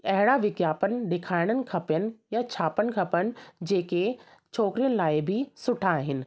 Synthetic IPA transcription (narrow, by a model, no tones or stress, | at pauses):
ɐɦɪɽaʋɪɡjaːpənɪ̆ɗɪkʰaːɪɽ̃ənɪ̆kʰɐpjənɪ̆jat͡ɕʰaːpənɪ̆kʰɐpəɽ̃ɪ̆d͡ʑeːke | t͡ɕʰoːkɾijənɪ̆laːɪbʱɪsʊʈʰaːɦɪnɪ̆